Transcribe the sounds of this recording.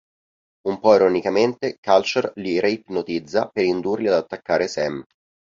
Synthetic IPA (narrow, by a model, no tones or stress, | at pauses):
umpɔiɾonikament̪ekalt͡ʃerliɾejt̪not̪id̪zːapeɾind̪urliad̪at̪ːakːaːɾesɛm